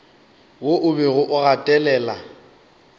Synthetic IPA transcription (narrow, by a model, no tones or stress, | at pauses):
woʔʊbɛɣʊʔʊɣatʼɛlɛːla